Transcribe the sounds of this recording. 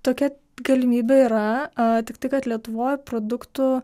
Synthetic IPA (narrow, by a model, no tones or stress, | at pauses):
t̪oːkʲɛ | ɡɐlʲɪmʲiːbʲeiːɾɐt̪ʲɪkt̪ɐɪkɐt̪lʲiɛt̪ʊʋoːjpɾoːd̪ʊkt̪ʊ